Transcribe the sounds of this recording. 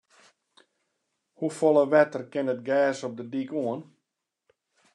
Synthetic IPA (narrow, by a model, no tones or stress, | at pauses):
hufɔlˠəʋɛtərkɪnət̚ɡɛːsɔp̚dədikuən